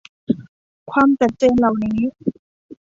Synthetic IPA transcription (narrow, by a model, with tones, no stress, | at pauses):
kʰwaː˧mt͡ɕa˨˩t̪̚t͡ɕeː˧nla˨˩wniː˦˥